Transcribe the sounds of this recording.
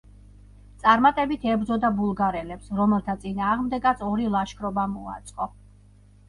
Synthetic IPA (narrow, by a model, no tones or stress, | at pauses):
t̪sʼaɾmat̪ʼɛbit̪ʰɛbɾd̪zɔd̪abulˠɡaɾɛlɛpsɾɔmɛlˠt̪ʰat̪sʼinaːʁmd̪ɛɡat̪sɔɾilˠaʃkʰɾɔbamua̰t̪sʼqʼɔ